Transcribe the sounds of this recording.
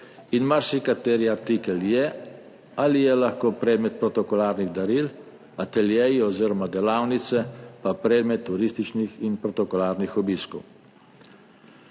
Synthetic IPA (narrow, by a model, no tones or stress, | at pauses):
inmaɾsikat̪eːɾjat̪ikɛljɛ | alijɛlaxkoːpɾɛːd̪mɛt̪̚pɾɔt̪ɔkɔlaːɾniɣd̪aɾil | at̪ɛljɛjiɔziːɾɔmad̪ɛlaːwnit̪sɛpapɾɛd̪mɛt̪ːuɾist̪it͡ʃnixinpɾɔt̪ɔkɔlaːɾnixɔbiskɔw